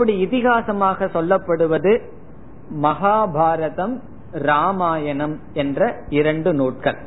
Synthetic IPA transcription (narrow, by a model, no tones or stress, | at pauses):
ɐpːɐɽiɪt̪ɪɣaːsɐmaːɣɐsɔlːɐpːɐɽɯʋɐðɯ | mɐɣaːbʱaːɾɐðɐm | ɾaːmaːjɐɳɐm | ɛndrɐɪɾɐɳɖɯnoːʈ̚kɐ̰ɭ